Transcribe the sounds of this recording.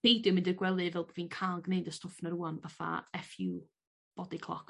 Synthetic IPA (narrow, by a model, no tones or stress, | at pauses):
ejdɨmɪ̃ndərɡwɛlˠɨvɛlˠbɔviːnkʰaːlˠɡnejdəstʊfnəɾuːanvafa̰ɛfjuː | b̥ɔdɪkʰlˠɔ̰k